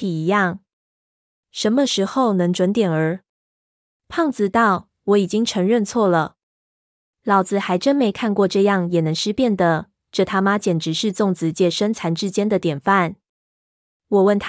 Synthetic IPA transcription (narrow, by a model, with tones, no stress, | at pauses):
i˨˩i˧˥jɑ˥˩ŋ | ʂə˧˥nmə˧ʂɻ̩˧˥xo˥˧ʊnɤ˧˥ŋʈ͡ʂwə˧˥nt̪jɛ˨˩nə˞˧˥ | pʰɑ˥˧ŋt͡sɹ̩˧t̪ɑ˥˩ʊ | wɔ˧˥i˨˩t͡ɕi˥ŋʈ͡ʂʰɤ˧˥ŋɻə˥˧nt͡sʰwɔ˥˩lə˩ | lɑ˧˥ʊt͡sɹ̩˨˩xa˧˥ɪʈ͡ʂə˥nme˧˥ɪkʰa˥˧nkwɔ˥˧ʈ͡ʂɤ˥˧jɑ˥˩ŋjɛ˨˩nɤ˧˥ŋʂɻ̩˥˧pjɛ˥˩nd̪ə˩ | ʈ͡ʂɤ˥˨˩t̪ʰa˥ma˥t͡ɕjɛ˨˩nʈ͡ʂɻ̩˧˥ʂɻ̩˥˧t͡sʊ˥˩ŋt͡sɹ̩˧˦t͡ɕjɛ˥˩ʂə˥nt͡sʰa˧˥nʈ͡ʂɻ̩˥t͡ɕjɛ˥nd̪ə˨t̪jɛ˨˩nfa˥˩n | wɔ˨˩wə˥˩nt̪ʰ